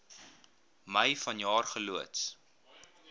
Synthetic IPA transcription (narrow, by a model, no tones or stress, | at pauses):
məjfɐnjɑːrχəluəts